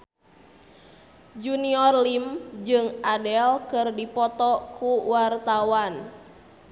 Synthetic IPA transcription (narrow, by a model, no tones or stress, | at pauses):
d͡ʒuniɔrlimd͡ʒɨŋadɛlkɨrdipɔt̪ɔkʰuwart̪awan